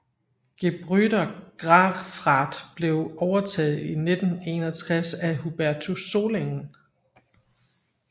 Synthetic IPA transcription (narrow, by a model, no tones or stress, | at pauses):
ɡ̥eb̥ʁyɾɐɡ̥ʁɑfʁɑd̥b̥le̝ʊɒʊɐt͡sʰɛ̰ːð̩ˠine̝d̥n̩e̝ːnɐt͡sʰʁasæɦub̥æɐt͡sʰuso̝leŋn̩